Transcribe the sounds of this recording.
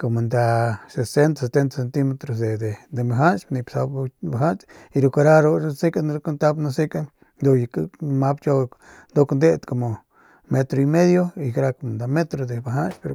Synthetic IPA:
ko˨mo˨nd̪a˧se˨se˦nt̪ase˨t̪e˦nt̪ḁse˧nt̪i˦me˧t̪ɾo˧s̬d̪e˨d̪e˨d̪e˨mba˨ɦa˦nt͡ʃni˧psa˧bba˨ɦa˦nt͡ʃi˧ɾu˧ka˧ɾa˦ɾo˧ɾsi˦ka˦n˦ɾko˦nt̪a˦bna˦si˦ka˦ | d̪o˧ja˨kma˦bt͡ʃo˦ | d̪o˦knd̪e˦t̪ko˨mo˨ | me˧t̪ɾo˧i˧me˦d̪jo˦i˨kɾa˧ko˨mo˨nd̪a˨me˦t̪ɾo˨d̪e˨ba˨ɦa˦nt͡ʃpe˧ɾ

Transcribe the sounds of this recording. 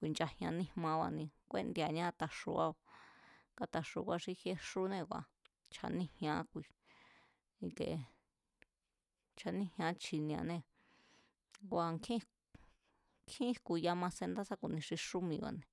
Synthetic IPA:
kʷi˨nt͡ʃa˧hj̃ã˧nĩ˧mã˧wa̰˧nĩ˧kʷḛ˦nd̪ja˨ɲã˦˧t̪a˧ʂṵ˧a˧a˧ka˧t̪a˧ʂṵ˧kʷa˧ʂi˧he˧˦ʂu˦nẽ˧kʷa̰˨ | t͡ʃʰa̰˧nĩ˦hj̃ã˧˦kʷi˧˨ | i˧kḛ˨ | t͡ʃʰa˧nĩ˦hj̃ã˧˦t͡ʃʰi˧nĩ˧a̰˧nẽ˧ | ɡʷa˧ŋkʰĩ˦ | kʰĩ˦kʷu˨˧ja˧mã˧se˧nd̪a˦sa˦ku˧˨nĩ˧ʂi˧ʂu˦mĩ˧wa̰˧˨nẽ˧

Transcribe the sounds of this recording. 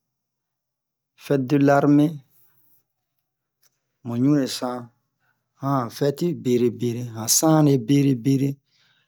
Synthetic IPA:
fɛ˦du˦la˦ɾme˦ | mõ˨ɲũ˦ɾe˨sã˦ | hã˦˨fɛ˦ti˦be˨ɾe˨be˦ɾe˦ɦã˨sã˦ne˦be˦ɾe˦be˦ɾe˦

